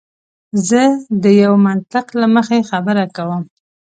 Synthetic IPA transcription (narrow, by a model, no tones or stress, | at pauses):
zəd̪əjawmant̪ɪqlaməxexabəɾakawəm